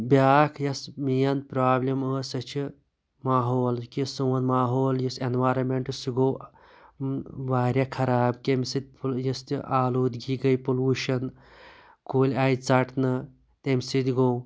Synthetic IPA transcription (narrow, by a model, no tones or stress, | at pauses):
bʲaːkʰjɐsmijɐnpɾaːblʲɐməːsɐt͡ʃʰi | maːɦoːlkisoːnmaːɦoːljisenʋaːɾɐmeɳʈɨsiɡoː | ʋaːɾʲjaːkʰɐɾaːbkʲemʲsit̪̚ʲpjɐst̪ḭʔaːloːd̪ɡiːɡɐjpoluːʃɐn | koːlʲaːjt͡sɐʈʰnɐ | t̪emʲsit̪ʲɡoː